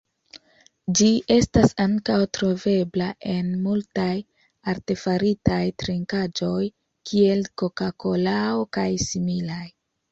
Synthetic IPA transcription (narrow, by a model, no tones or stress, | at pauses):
d͡ʒiʔe̞stasaŋkawtɾo̞ve̞blaʔe̞nmultaj | aɾte̞faɾitajtɾiŋkad͡ʒo̞j | kʰie̞lko̞kako̞laokajsimilaj